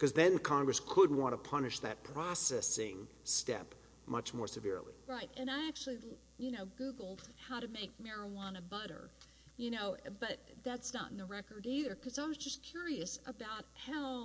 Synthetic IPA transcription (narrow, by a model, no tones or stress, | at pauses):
kʰʌzðɨ̃nkʰɑ̃ŋɡɹɨskʰəd̚wɑ̃ntəpʰʌnɨʃðɨ̰t̚pʰɹ̥ɑsɛsɪ̃ŋ | stɛ̰p | mʌt͡ʃmɔɹsɨvɪ̰ɹlˠḭɹaɪt̚ɨ̃ñaɪæk̚t͡ʃul̩ˠi | jɨnoʊɡuɡl̩ˠd̥̚haʊɾɨmeɪk̚mɛɹɨwɑ̃nɨbʌɾə̰˞ | jɨnoʊb̥ʌt̪̚ðætsnə̰ɾ̃n̩ðɨɹɛkə˞ɾiðə˞kʰʌzaɪwʌzd͡ʒʌskʰj̥ʊɹiɨsəbaʊt̚haʊ